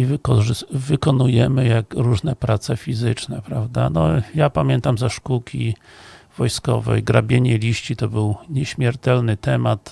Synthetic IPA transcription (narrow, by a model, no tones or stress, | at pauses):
ivkɔʐvɘkɔnujɛmɘjakɾuʐnɛpɾʔat̪sɛfʲizɘt͡ʂnɛpɾavd̪a̰nɔjapamʲjɛnt̪amzaʂkukʲivɔjskɔ̰vɛ̰jɡɾabʲjeɲɛlʲiɕt͡ɕit̪ɔbɘwɲɛɕmʲjɛɾt̪ɛlnɘt̪ɛmat̪